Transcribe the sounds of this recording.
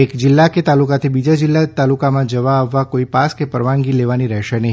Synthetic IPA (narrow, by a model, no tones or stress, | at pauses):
ekd͡ʒɪlːaket̪alukat̪ʰibid͡ʒad͡ʒɪlːat̪alukamãd͡ʒəʋaːʋːakoipaskepəɾʋãŋɡileʋaniɾɛɦʃenəɦi